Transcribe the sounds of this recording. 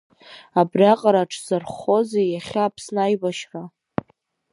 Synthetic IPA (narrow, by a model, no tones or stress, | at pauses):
abrjaqʼaɾaʈ͡ʂʰzarχo̞zejaχʲaːpʰsnajbaʃra